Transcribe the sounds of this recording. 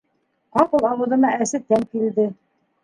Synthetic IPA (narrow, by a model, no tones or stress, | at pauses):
qɑqɤlˠɑwɤ̆ðɤ̆nɑæsɘt̪æŋkild̪ɘ